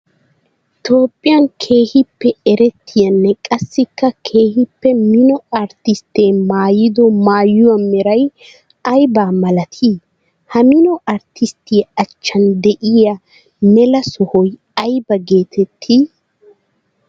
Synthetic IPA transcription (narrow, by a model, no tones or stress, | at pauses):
t̪oːpʼːɪjɐnkʰe̞ːhɪpːɛɛɾɛt̪ʰːɪjɐnːɛkʼɐsːɪkːɐkʰe̞ːhɪpːɛmɪnɔɐɾt̪ɪst̪eːmaːjɪd̪ɔmaːjʊwɐmɛɾɐj | ɐjbaːmɐlɐt̪ʰiː | hɐmɪnɔʔɐɾt̪ʰɪst̪iɐt͡ʃːɐnd̪ɛʔɪjɐ | mɛlɐsɔhɔj | ɐjbɐɡe̞ːt̪ʰɛt̪ʰːi